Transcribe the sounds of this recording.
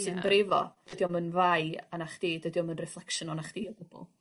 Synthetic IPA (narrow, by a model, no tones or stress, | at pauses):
sɨnbrɪvɔ̰d̥ədiɔmənvajanaχd̥iːdədiɔmənrɛflˠɛkʃənɔnaχd̥iːɔb̥ʊb̥ʊ̰lˠ